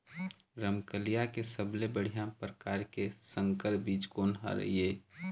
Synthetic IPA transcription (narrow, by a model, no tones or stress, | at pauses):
ɾəmkəlijakesəblebəɽ̤ijãpɾəkaːɾkesə̃ŋkəɾbiːt͡ʃkoːnɦa̰ɾə̰ieː